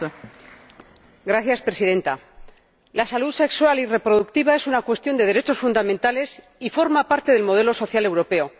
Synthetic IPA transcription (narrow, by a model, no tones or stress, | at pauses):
ɡɾaθjaspɾe̞siðe̞nt̪a | lasaluðse̞kswalire̞pɾo̞ðukt̪iβae̞sunakwe̞st̪jond̪e̞ð̞e̞ɾe̞t͡ʃo̞sfund̪amẽnt̪ale̞s | ifo̞ɾmapaɾt̪e̞ðe̞lmo̞ð̞e̞lo̞so̞θjale̞wɾo̞pe̞o̞